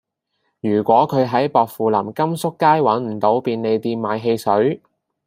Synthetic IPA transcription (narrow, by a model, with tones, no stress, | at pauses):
jyː˨˩kʷɔː˨˥kʰɵ˨˧ɥɦɐ˨˥jpɔː˨˧k̚fuː˨lɐ˨˩mkɐ˥msʊ˥kːaː˥jwɐ˨˥nm̩˨˩t̪o˨˥wpiː˧nle˨˧jt̪iː˧nmaː˨˧jɦe˧jsɵ˨˥ɥ